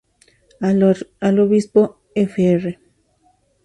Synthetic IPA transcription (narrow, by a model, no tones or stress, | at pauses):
aloβispo | efeere